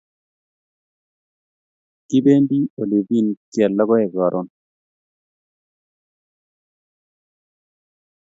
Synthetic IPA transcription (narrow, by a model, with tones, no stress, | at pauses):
ki˦be˦ndi˦o˨le˨vi˦˨nkjɛ˨lːɔ˦ɡɔ˦ɛ˨ɡɔ˨ɾʔɔ˦n